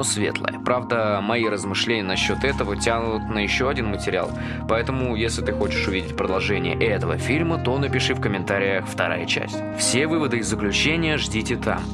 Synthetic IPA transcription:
osvʲe̞̰t̪lˠə̰jəpɾavd̪əmɐiɾəzmɨʂlʲenʲɪjənɐɕːo̞t̪ɛt̪əvətʲanʊt̪nəjɪɕːo̞ɐdʲinmətʲɪɾʲɪa̰lˠ | pɐɛt̪əmʊjesʲlʲɪt̪ɨxo̞t͡ɕɪ̥ʂʊvʲidʲɪtʲpɾəd̪ɐlˠʐɛnʲɪjə̰ʔɛt̪əvə̰fʲilʲmət̪o̞nəpʲɪʂɨfkəmʲɪnt̪aɾʲɪjəxft̪ɐɾa̰jət͡ɕæ̰sʲtʲfsʲevɨvəd̪ɨɪzːəklʲʉt͡ɕenʲɪjəʐdʲitʲɪt̪ʰa̰m

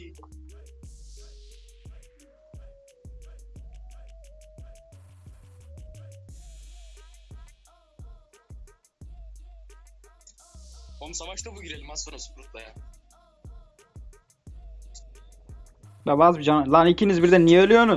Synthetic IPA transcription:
onusavaʃt̪abuɟiɾelʲimasonasu̥ɾut̪̚laja | bɛvazbid͡ʒanlˠanicʰinizbiɾd̪ɛnːijɛølʲyjonu

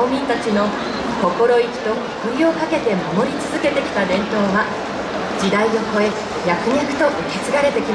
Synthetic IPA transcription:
omʲĩnt̪at͡ɕino̞ | ko̞ko̞ɾo̞ikʲi̥t̪o̞ | kɯɾʲjo̞ːkake̞t̪e̞mamo̞ɾʲit͡sɨzɨke̞t̪e̞kʲi̥t̪ad̪ẽ̞nt̪o̞ːβa | d͡ʑid̪aio̞ko̞e | jakɯ̟ɲakɯ̟̥t̪o̞ʔɯkʲet͡sɨɡaɾe̞t̪e̞kʲim

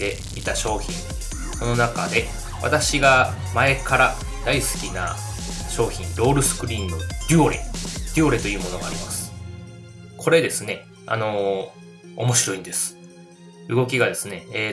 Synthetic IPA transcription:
d̪e̞ | mʲit̪aɕo̞ːçʲĩŋ | so̞no̞nakad̪e̞ | βa̰t̪aɕiɡa | mae̞kaɾa | d̪̥aisɨ̥kʲina̰ɕo̞ːçĩnɾo̞ːɾɯ̟sɨ̥kɯ̟ɾʲĩŋɡɯɾʲɨoɾḛɾʲɨo̞ɾe̞t̪o̞iɯ̟ːmo̞no̞ɡaːɾʲimasɨ̥ | kʰo̞ɾe̞d̪e̞sɨne̞ | a̰no̞ː | mo̞ɕiɾo̞ĩnd̪e̞sɨ̥ | ɯ̟ɡo̞kʲiɡad̪e̞sɨne̞eː

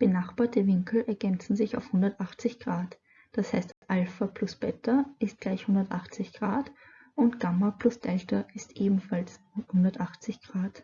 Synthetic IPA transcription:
b̥ənaχb̥aːɐtəvɪŋkl̩ʔɛɐɡɛnt͡sn̩zɪçaʊfhʊndɐtʔaχt͡sɪçɡ̥ʁaːt | d̥ashaɪstd̥asʔalfɐplʊsb̥ɛtʰɐɪst̚ɡ̥laɪçhʊndɐtʔaχt͡sɪçɡ̥ʁaːt | ʊntɡ̥amɐplʊsd̥ɛltɐɪstʔeːbm̩fals | hʊndɐtʔaχt͡sɪçɡ̥ʁaːt

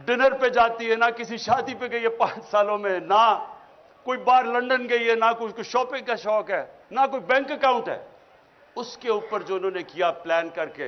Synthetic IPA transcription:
ɖɪnəɾped͡ʒaːt̪iɦɛnakɪsiʃaːd̪ipeɡɐiɦɛpãːt͡ʃsaːlõmẽna | koːibaːɾlɐ̃ɳɖənɡɐiɦɛːnakokoʃɔːpɪ̃ŋɡkaʃɔːkɦɛːnak̬oːibɛ̃ːŋkəkaːʊ̃ɳʈɦɛ̰ː | ʊskeuːpəɾd͡ʒoːɪnɦõːnekijaplɛːnkɐɾkḛː

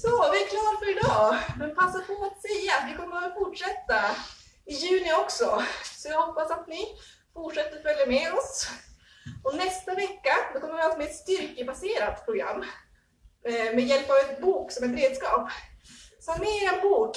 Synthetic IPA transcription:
sɔvɪɛkʰlɑːd̪afœɾɪd̪ɑːmɛnpʰasːapʰɔat̪sɛjːaːt̪vɪkʰɔmːəfʊʈʂɛt̪ːa | ɪjʉ̟ːnɪɔksɔsɔjɑɡhɔpːasat̪nɪ | fʊʈʂɛt̪ːəɾɔfœljamɛɔs | ɔnɛst̪avɛkːad̪ɔkʰɔməvɪhat̪mɛɛt̪st̪ʏɾkəbaseːɾat̪pʰɾʊɡɾa̰mː | mɛjɛlpavɛnbuːksɔmɛt̪̬ɾeːd̪skɑːp | sɔmmmɛːɪɾɛnbuːk

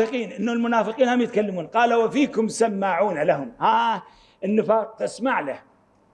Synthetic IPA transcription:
ɨqiːnʔɪnːulmʊnaːfɨqiːnhamjɪt̪kalːamuːnqɑːlawafiːkʊmsamːaʕuːnalahʊmhaː | ɪnːɪfɑːq̚t̪ɪsmaʕlah

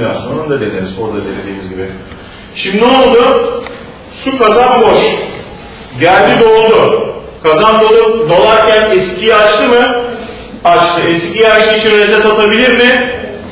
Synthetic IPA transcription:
a̰nso̞nund̪ad̪ed̪ʲḭnizo̞ɾd̪ad̪enʲed̪iːmizʲɟibɪ | ʃimno̞lˠd̪ʊ | sukazanboʃ | ɟælʲd̪id̪o̞lˠd̪ʊ | kʰazand̪olˠupbalˠaɾcʰænɛscʰijiat͡ʃt̪ʰɯmɯ | at͡ʃt̪ʰɯɛscijaʃɯit͡ʃʰinɾeset̪at̪ʰabilʲiɾmɪ

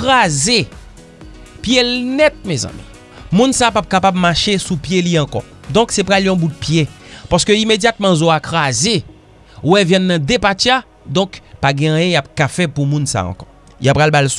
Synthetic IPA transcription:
kaze | pjelnɛt̪̚mezã̰mḭ̃ | mũnsapap̚kapab̚maʃesupjeliãkɔ̰ | d̪ɔ̃ksɛpɣaljɔ̃but̪̚pjepaskøimed͡zjat̪̚mãzoakʁaze | wɛvjɛ̃nːɐ̃d̪epatia | d̪ɔ̃kpaɡɛ̃ãjɛ̃jap̚kafɛpumũnsa̰ɐ̰̃kɔ̥ | japɣalbals

